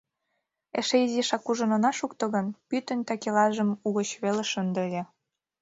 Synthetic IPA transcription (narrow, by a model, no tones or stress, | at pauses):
ḛʃeiziʃɑkuʒə̆nŏnɑʃukt̪ɤ̆ɣə̆npyt̪ə̆nt̪ɑkelɑʒə̆muɣə̆t͡ɕβeleʃənd̪ə̆le